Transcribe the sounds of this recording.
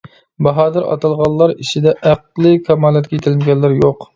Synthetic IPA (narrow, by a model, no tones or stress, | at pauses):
bɑɦɑːd̪ɨɾɑ̰t̪ɑlˠʁɑlˠːɑɾit͡ʃʰid̪ɛʔæqlˠɨkʰɑmɑːlˠːɛt̪kʲɛjt̪ʰɪlɪnɡʲɛlːɪɾjoq